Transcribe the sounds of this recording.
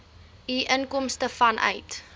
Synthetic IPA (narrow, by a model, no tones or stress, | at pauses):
iʔənkɔmstəfɐnʔœ̰ɥt